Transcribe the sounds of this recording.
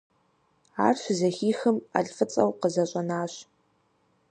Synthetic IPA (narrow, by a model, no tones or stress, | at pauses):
aːrɕʷzɐxiːxɨma̰ɬʼfɨt͡sʼɐwqəzɐɕʼɐnaːɕ